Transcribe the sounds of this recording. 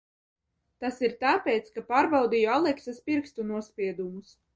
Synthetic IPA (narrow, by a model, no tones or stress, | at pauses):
t̪asiɾt̪aːpʲɛːt̪skapaːɾbawd̪ijɔalˠɛksaspʲiɾkst̪unuɔsʲpʲiɛd̪umus